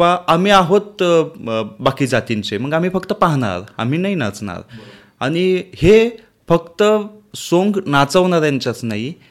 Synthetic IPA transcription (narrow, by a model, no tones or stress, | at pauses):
ʋaamiːaɦot̪ | bakiːd͡zat̪int͡seməɡam̤iːfəkt̪əpaɦɳa̰ɾa̰m̤iːnaɦina̰t͡sna̰ɾ | aɽ̃ihe | fəkt̪əsoŋɡnat͡səʋɳaɾjaɲt͡ɕjat͡snaɦi